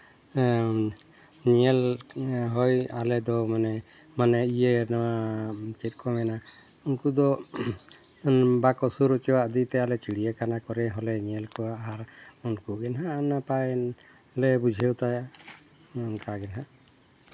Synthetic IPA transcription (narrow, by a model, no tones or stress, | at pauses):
ɲɛlɦɔjalɛd̪ɔmanɛ | manɛijenawat͡ʃɛt̪̚kʰɔmɛnaunkud̪ɔ | bakɔsuɾɔt͡ʃɔwaʔd̪it̪ɛalɛt͡ʃiɽijakanakɔɾɛɦɔlɛɲɛlkɔaʔaɦaɾunkuɡɛnɦanapajn | lɛbud͡ʒʱɛwt̪ajaʔ | kaɡɛnɦa